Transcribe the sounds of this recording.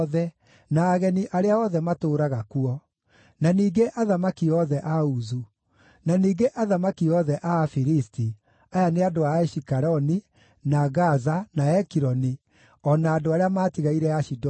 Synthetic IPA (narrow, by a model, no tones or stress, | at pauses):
ðɛ | naːɣɛniʔaɾeaɔðɛmatoːɾaɣakuɔ | naniːɡeʔaðamakiɔðɛʔauzu | naniːɡeʔaðamakiɔðɛʔafiɾisti | ajaneadoaɛʃikaɾɔni | naɣazanaɛkiɾɔni | ɔnaːdoaɾeamaːtiɣaiɾɛaʃid